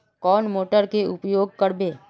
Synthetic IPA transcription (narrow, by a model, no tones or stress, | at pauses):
kɔːnmoːʈəɾkeʊpjoːɡ̚kəɾbeː